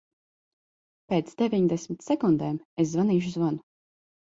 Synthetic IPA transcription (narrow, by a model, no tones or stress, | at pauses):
peːt̪sd̪evʲiɲd̪ɛsʲmit̪sɛkund̪ɛːmes̬zvaniːʃ̬uzvanu